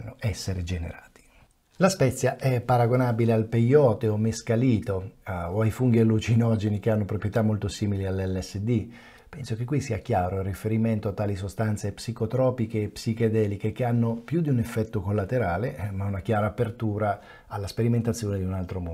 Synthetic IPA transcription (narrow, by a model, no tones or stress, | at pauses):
nːoʔɛsːeɾed͡ʒenḛɾaːt̪i̥ | laspɛt̪sːjaʔɛpːaɾaɡonabilealpejɔːt̪eomeskaliːt̪oːajfuŋɡialːut͡ʃinɔd͡ʒenik̟eanːopɾopɾjet̪amːolt̪osiːmilialːɛlːɛsːed̪i | pɛnsok̟ekːwisːiːak̟jaːɾoirːifeɾiment̪oat̪ːaːlis̬ost̪ant̪sepsikot̪ɾɔːpikeːpsiked̪ɛːlikek̟eanːopjud̪iunefːɛt̪ːokolːat̪eɾaːlemaunak̟jaːɾaːpert̪uːɾaː | lːaspeɾiment̪at̪sːjoːned̪iunalt̪ɾomo